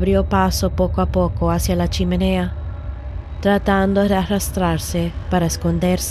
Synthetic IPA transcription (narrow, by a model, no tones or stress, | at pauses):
bɾiopasopɔːkoapːɔːkoasjalat͡ʃimenɛːa | t̪ɾat̪ːand̪odearast̪ɾarsɪpaɾaskond̪ers